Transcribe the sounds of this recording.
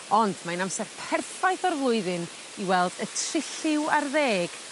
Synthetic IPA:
ɔnd̥manamsɛrpʰɛrθajθɔrvlˠʊɨðɨn | iwɛlˠd̥ətʰrɪɬɪwarðeːɡ̥

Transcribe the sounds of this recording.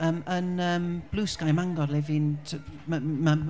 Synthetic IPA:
əːmənəːmb̥luːsɡ̥ajmaŋɡɔɾˠɛvintʰəmama

